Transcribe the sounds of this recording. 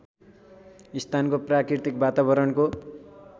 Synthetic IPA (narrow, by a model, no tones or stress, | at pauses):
ist̪ʰankoprakirt̪ik̚bat̪aβʌɾʌnko